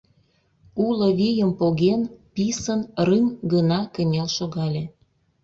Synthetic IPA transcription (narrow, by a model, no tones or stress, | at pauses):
ulə̆βijəmpoɣenpisənrɨmɡənɑkə̆nʲelʃoɣɑlʲe